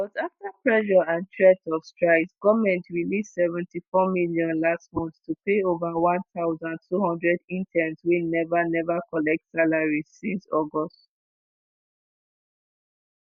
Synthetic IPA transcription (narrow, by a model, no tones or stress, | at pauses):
b̥ɔtaftapɹɛʃɔãntʰɹɛtɔfstɹaɪsɡɔvmɛ̃ntɹilissɛvɛ̃ntifɔmiljɔ̃nlastmɔ̃nθtupeovawãnθaʊzãntʰuhɔ̃ndɹɛdĩntʰɛ̃nswinɛvanɛvakɔlɛk̚tsalaɹiz̥sĩnsɔɡɔst